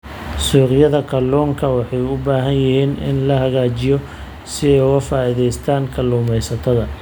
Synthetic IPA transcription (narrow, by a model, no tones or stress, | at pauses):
suːqjɐðɐkʰɐlɔːŋkʰɐwɑħɑjʊbaːɦɐnjɪhiːnɪ̰nlɐɦɐɣaːt͡ʃɪjɔ | sɪɛjʊɣɐfaːɪðɛjst̪ʰaːŋkʰɐluːmɛjsɐt̪ʰɐðɐ